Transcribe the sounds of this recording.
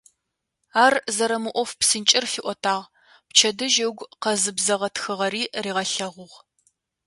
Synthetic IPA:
aːrzɐɾɐmɨʔʷɔfpsɨnt͡ʃʼɪrfiːʔʷɔtʰaːʁ | pt͡ʃʰɐdɨʒɐwɡʷqɐzɨbzɐʁɐtxɨʁɐɾiːriːʁɐɬɐʁʷʊʁ

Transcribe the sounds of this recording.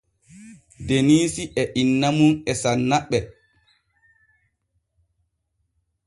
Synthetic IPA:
deniːsiʔɛʔinːamunɛsanːaɓːɛ

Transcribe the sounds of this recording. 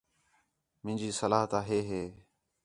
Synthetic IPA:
mɪ̃ːnd͡ʒiːsəlaːɦt̪aːɦeːɦeː

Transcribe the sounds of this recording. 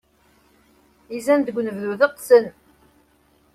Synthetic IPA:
izænd̪əɡʷnəvðuðəqːsən

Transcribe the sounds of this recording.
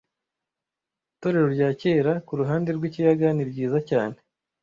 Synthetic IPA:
to̞ɾe̞ɾo̞ɾɟaːce̞ːɾakuɾuɦaːnde̞ɾɡwiːcijaɡaniɾɟiːzacaːne̞

